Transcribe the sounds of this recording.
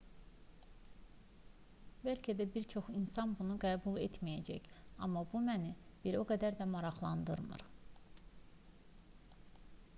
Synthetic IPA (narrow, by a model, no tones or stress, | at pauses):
bælcʰæd̪æbiɾt͡ʃʰo̞χinsɑnbunuɡæːbulˠet̪mijæd͡ʒæçɑ̰mːɑbumænib̥iɾo̞ɡæd̪æɾd̪æmɑɾɑχlˠɑnd̪ɯɾmɯ̰ɾ